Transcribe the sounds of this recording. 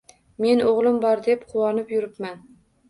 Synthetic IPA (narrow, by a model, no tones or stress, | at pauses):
me̞nʔoʁlˠɪmbɒɾd̪e̞pqʰʊwɒnɪpjʊɾɪpman